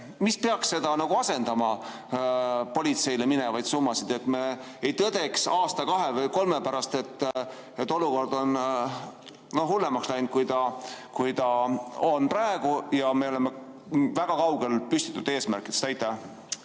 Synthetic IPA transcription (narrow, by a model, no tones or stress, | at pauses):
mispeɑksse̞d̪̥ɑnɑɡ̥uɑse̞nd̪ɑmɑ | po̞lit̪se̞jle̞minevɑjd̪̥sumːɑsid̪e̞t̪ːme̞ | ejt̪ɤd̪e̞ksɑːst̪ɑkɑɦe̞vɤjko̞lmepæɾɑst̪e̞t̪ː | et̪ːˑo̞luko̞rd̪o̞n | no̞ɦulːemɑkslɑjnt̪̚kujd̪ɑkujt̪ɑonprɑeɡ̥ujɑme̞o̞le̞me̞ | væɡ̥ɑkɑwɡ̥e̞lpysʲt̪i̥t̪ːˑud̪̥e̞ːsmæɾkˑid̪̥est̪ɑjt̪ːˑæ